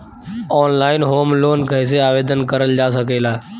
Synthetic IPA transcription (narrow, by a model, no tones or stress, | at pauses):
ɔːnlaːɪnɦoːmloːnkəɦɪs̬eaːʋeːd̪ənkəɾəld͡ʒaːs̬əɡʱeːlaː